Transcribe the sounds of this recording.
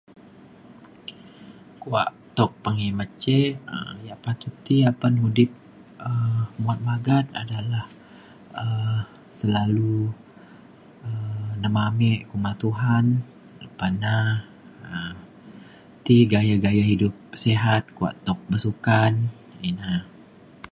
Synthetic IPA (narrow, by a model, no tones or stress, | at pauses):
kua̰ʔt̪ɔk̚pəŋimət͡ʃeə̰jaʔpat̪ut̪iapənɦudɪp̚ | əmuat̪̚maɡat̪̚a̰dalah | ə | səlalu | ənəmamɛʔkumat̪uɦan | ləpana | ə | t̪iɡajaɡajaɦidʊp̚seɦat̪̚kua̰ʔt̪ɔk̚bəsukan | ina